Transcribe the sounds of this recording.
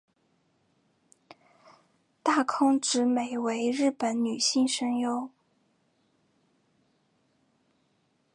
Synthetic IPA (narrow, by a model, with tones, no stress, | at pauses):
t̪a˥˩kʰʊ˥ŋʈ͡ʂɻ̩˧˥me˨˩ɪwe˧˥ɪɻɻ̩˥˩pə˧˥nny˨˩ɕi˥˩ŋʂə˥ŋjo˥ʊ